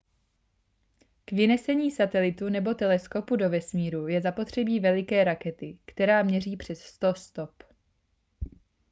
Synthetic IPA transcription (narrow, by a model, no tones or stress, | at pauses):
kvɪnɛsɛɲiːsat̪ɛlɪt̪unɛbo̞t̪ɛlɛsko̞pudo̞vɛsmiːɾujɛzapo̞t̪r̝̥ɛbiːvɛlɪkɛːɾakɛt̪ɪkt̪ɛɾaːmɲɛriːpr̝̥ɛsːt̪o̞st̪o̞p